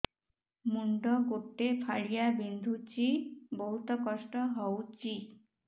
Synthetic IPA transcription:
muɳɖɔɡoʈːepʰaɭijabind̪ʱut͡ɕibɔɦut̪ɔkɔsʈɔɦɔwt͡ʃi

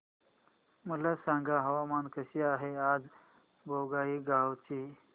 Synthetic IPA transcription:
məlasãŋɡaɦəʋamankəɕiːaɦead͡z | bʱoɡaiːɡawt͡ɕi

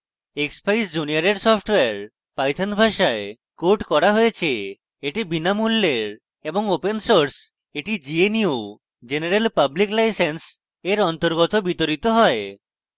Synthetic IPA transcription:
ekspajsd͡ʒuniaɾeɾsɔpʰʈweaɾ | pajt̪ʰanbʱaʃae | koʈkɔɾaɦojet͡ɕʰe | eʈibinamulːeɾ | eboŋopensoɾs | eʈid͡ʑieniu | d͡ʒeneɾelpabliklajsens | eɾɔnt̪oɾɡɔt̪obit̪oɾit̪oɦɔe

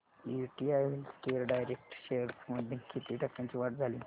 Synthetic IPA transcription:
juʈiajʋilskeɾɖajɾek̚ʈɕeɾməd̪ʱjekit̪iːʈəkːãɲt͡ɕiʋaʈd͡zʱali

